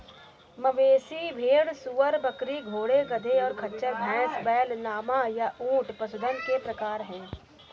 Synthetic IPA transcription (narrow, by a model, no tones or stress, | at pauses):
mɐʋeːsibʱeːɽsuːəɾbɐkɾiɡʱoːɽeɡɐd̪ʱeɔːɾkʰɐtːʃəɾbʱɛ̃ːsbɛːlnaːmajaʔũːʈpɐsʊd̪ənkepɾɐkaːɾɦɛ̃ː